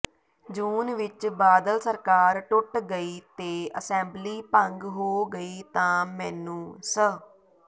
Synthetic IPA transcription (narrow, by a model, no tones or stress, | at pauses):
d͡ʒuːnʋɪt͡ʃbaːd̪əlsəɾkaːɾʈʊʈɡəiːt̪eːʔəsɛ̃ːmbliːpə̃ŋɡɦoːɡəiːt̪ãːmɛ̃ːnũːsə